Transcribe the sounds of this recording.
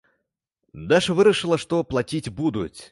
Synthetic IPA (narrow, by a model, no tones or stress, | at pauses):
d̪aʂvɨɾɐʂɨlˠɐʂt̪ɔplˠat͡sʲit͡sʲbud̪ut͡sʲ